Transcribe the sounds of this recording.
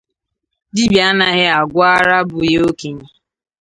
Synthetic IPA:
di˦bja˦na˨ɣɪ˦a˨ɡʷʊ˦a˦ɾa˦bʊ˨je˦o˦ke˨ɲi˨

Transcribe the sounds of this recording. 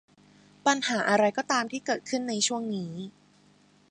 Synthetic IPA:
pa˧nhaː˩˦ʔa˧ɾa˧jkɔː˥˩t̪aː˧mt̪ʰiː˥˩kɤː˨˩t̪̚kʰɯ˥˩nːa˧jt͡ɕʰu˥˩əŋniː˦˥

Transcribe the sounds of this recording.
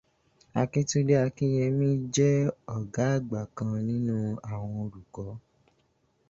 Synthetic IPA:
a˧ke˦tu˦de˦a˧kĩ˦jɛ˧mĩ˦d͡ʒɛ˦ɔ˦˨ɡa˨˦˨ɡ͡ba˨kã˧nĩ˦nũ˦a˦˨w̃ɔ̃˧o˧ɾu˨kɔ˨˦

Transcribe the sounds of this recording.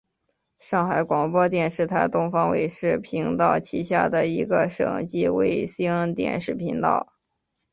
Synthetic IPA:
ʂɑ˥˩ŋxa˧˥ɪkwɑ˨˩ŋpwɔ˥t̪̬jɛ˥˧nʂɻ̩˥˩t̪ʰa˧˥ɪt̪ʊ˥ŋfɑ˥ŋwḛ˨˩ɪʂɻ̩˥˩pʰi˧˥ŋt̪ɑ˥˩ʊt͡ɕʰi˧˥ɕja̰˥˩d̪ə˩i˧˥ɡə˧ʂɤ̰˨˩ŋt͡ɕi˥we˧˥˩ɪsi˥ə˥ŋt̪jɛ̰˥˩nʂɻ̩˥˩pʰi˧˥ŋt̪ɑ̰˥˩ʊ

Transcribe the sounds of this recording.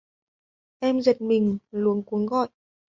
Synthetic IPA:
ʔɛ˧mzə˨˩t̚mï˨˩ŋ̟lu˨˦ənku˨˦əŋɣɔ̰˧˨jʔ

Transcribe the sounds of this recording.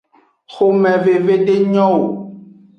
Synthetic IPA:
xo˨mɛ̃˨ve˨ve˦ɖe˦ɲɔ̃˦wo˨

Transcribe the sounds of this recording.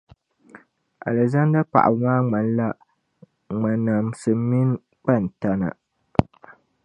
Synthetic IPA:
a̰˨lɛ˨za˦nda˦k͡pa̰˨ʔa̰˨bmaː˦ŋ͡ma˨n˦la˦ | ŋ͡ma˨na˨msɨ˨˦mi˦n˦ | k͡pa˦˨n̩˨ta˦na̰˨

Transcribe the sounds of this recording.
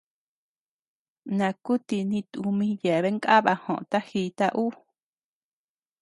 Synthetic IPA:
nã˨ku˦t̪i˧nĩ˧t̪u˧mĩ˧je˨βe˦ŋkʼa˦βa˧hõ˨ʔt̪a˦hi˧˦t̪a˧ʔu˦

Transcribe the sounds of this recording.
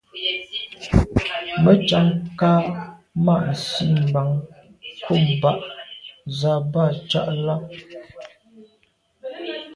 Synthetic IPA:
mə˦t͡ʃa˨˦ŋkaː˦ | ma˦˨ʔn̩˨si˦m̩˨ba˨˦ŋ | ko˦˨m˨ba˦˨ʔ | za˨ba˦˨t͡ʃa˦ʔla˦

